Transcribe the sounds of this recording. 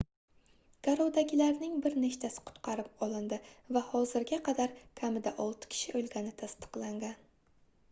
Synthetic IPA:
ɡ̥aɾowd̪aɡʲɪlaɾnɪŋbɪɾneʃt̪ʰasɪ̥qʰʊ̥t̪qʰɑɾɪp̚ɒlˠɪnd̪ɪvahɒzɪɾɡʲaqʰɑd̪aɾkʲʰamɪd̪aʔɒlˠt̪ɪ̥kʲʰɪ̥ʃɪʔolɡʲanɪt̪ʰast̪ɨ̥qlˠaŋɡʲan

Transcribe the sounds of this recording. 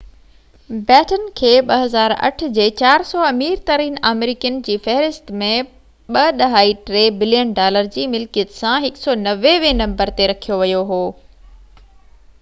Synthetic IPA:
bɛːʈənkʰeːɓɐɦɐzaːɾɐ̰ʈ̆ʰd͡ʑeːt͡ɕaːɾsɔːɐmiːɾt̪ɐɾiːnaːmeɾiːkiən̆d͡ʑiːfɛɦɾɪst̪mẽ | ɓɐɗɐɦaːiʈɾeːbɪljənɖaːləɾd͡ʑiːmɪlkijət̪sãɦɪksɔːnɐʋeʋẽnɐ̃mbəɾt̪eɾɐkʰijoʋɐjoɦoː

